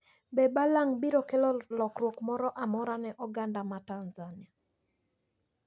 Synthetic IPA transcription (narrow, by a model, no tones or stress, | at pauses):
bɛbalaŋbiɾɔkelɔlɔkɾwokmɔɾɔʔamɔɾanɛʔɔɡandamatanzania